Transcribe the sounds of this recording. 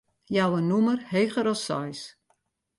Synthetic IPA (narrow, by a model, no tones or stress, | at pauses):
jawənumərhejχəɾɔsɔ̰js